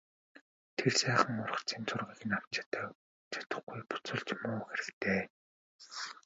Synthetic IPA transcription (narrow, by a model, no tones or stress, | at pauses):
t̪ʰersæːχə̆ŋʊr̆χt͡sʰiːnt͡sʰʊrʁiːɣɘ̆naw̥t͡ɕʰt̪aː | t͡ɕʰḁt̪ə̆χɡujpʊ̥t͡sʊ̆ɮt͡ɕmʊːxeɾɘ̆kt̪eː